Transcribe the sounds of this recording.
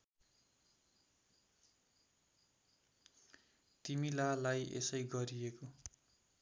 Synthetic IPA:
t̪imilalajʔḛsʌjɡʌɾieko

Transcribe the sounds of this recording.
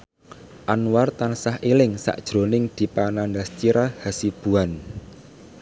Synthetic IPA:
ʔanwart̪ansahilɪŋsa̰ʔd̥ʒ̥ɾo̤nɪŋd̪̥i̤panandast͡ʃiɾahasib̥ṳan

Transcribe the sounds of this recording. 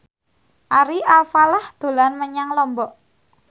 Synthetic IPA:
ʔaɾiʔalfalahd̪̥o̤lanməɲaŋlɔmbɔʔ

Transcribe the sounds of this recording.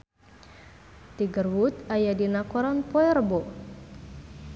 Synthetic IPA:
t̪iɡərwut̪ajadinakɔɾanpɔɛrbɔ

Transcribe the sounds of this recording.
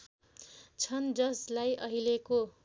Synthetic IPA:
t͡sʰʌnd͡zʌslajʔʌɦileko

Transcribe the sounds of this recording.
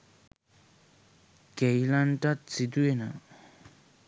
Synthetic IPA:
kɛjlanʈ͡ʂat͡sit̪una

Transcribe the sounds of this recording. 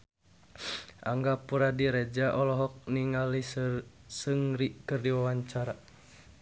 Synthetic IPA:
ʔa̰ŋɡapuɾadiɾɛd͡ʒaʔɔlɔɦɔk̚niŋali | sɨŋɾikɨrdiwawaɲt͡ʃaɾa

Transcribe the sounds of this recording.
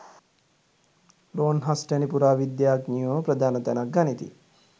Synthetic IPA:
ɾoːnɦasʈɛnipuɾaːʋid̪jaːɡnijoːpɾəd̪ʱaːnɐt̪ænak̚ɡanit̪ḭ

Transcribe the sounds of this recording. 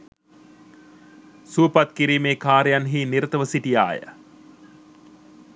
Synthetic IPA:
suːpɐt̪kiɾiːmeːkaːɾjanɦiːniɾɐt̪əʋəsiʈija̰ːjə̰

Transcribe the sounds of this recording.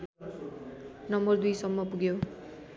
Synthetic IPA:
nʌmbʌrd̪ujsʌmːʌpuɡjo

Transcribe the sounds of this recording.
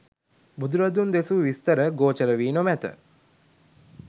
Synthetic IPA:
bud̪uɾɐd̪und̪esuʋist̪əɾəɡoːt͡ʃəɾəʋiːnomæt̪ə̰

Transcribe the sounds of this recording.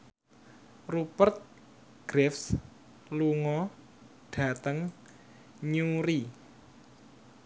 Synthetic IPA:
rupərt̪̚ | ɡ̥ɾɛfs | luŋɔ | ɖ̥a̤t̪əŋ | ɲuɾi

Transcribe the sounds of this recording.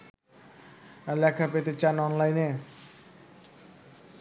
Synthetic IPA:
lɛkʰapet̪et͡ɕanɔnlajne

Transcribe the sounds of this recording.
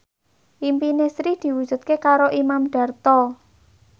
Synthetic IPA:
ʔimpinesɾid̪̥i̤wud̥ʒ̥ṳt̪̚kekaɾoʔimamɖ̥a̤rt̪ɔ

